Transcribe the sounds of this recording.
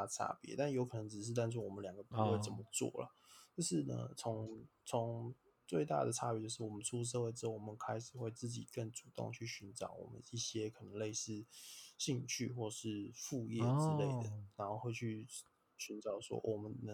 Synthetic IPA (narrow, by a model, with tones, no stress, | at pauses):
a˥˩ʈ͡ʂʰa̰˥pjɛ̰˧˦t̪a˥˩njo˧˥ʊkʰɤ˨˩nə˧˥ŋt͡sɻ̩˨˩ʂ̬̩˥˧t̪a˥˧nt͡sʰu˥˩wɔ˨˩ə˦ljɑ˨˩ŋɡə˦pu˥˧xwe˥˩ɪt͡sə˨˩mə˦t͡swɔ̰˥˩lə̰˩ | t͡ɕo˥˧ʊʂɻ̩˥˩nə̰˧˩t͡sʰo˧˥ŋt͡sʰo˧˦ŋ | t͡swe˥˧ɪt̪a̰˥˩d̪ə˨˩ʈ͡ʂʰa˥p̬ʲijt͡ɕjo˥˧ʊʂɻ̩˥˩wɔ˨˩mə˦nt͡sʰu˥˧˥ʂ̬ɤ˥˧xwe˥˩ɪʈ͡ʂɻ̩˥o˥˩ʊwɔ˨˩mə˦nkʰa˥ɪʂɻ̩˨˩xwe˥˧ɪt͡sɹ̩˥˩t͡ɕḭ˨˩kə˥˩ŋt͡su˨˩t̪ʊ̰˥˧ŋt͡ɕʰy˥˩ɕy˧˥nʈ͡ʂɑ˨˩˦ʊwɔ̰˨˩mə̰˦ni˥˩ɕjɛ˦kʰɤ˨˩nə˧˥ŋle˥˧ɪsɹ̩˥˧ɕi˥˧ŋt͡ɕʰy̰˥˩xwɔ˥˩˨ʂɻ̩˥˧fu˥˧jɛ˥˩t͡sɻ̩˦le˥˩ɪd̪ə˩na˧˥nxo˥˧xwe˥˧ɪt͡ɕʰy˥˩ | ɕy˧˥nʈ͡ʂɑ˨˩ʊʂwɔ̰˥wʔɔ˨˩mə˦nnə˧˦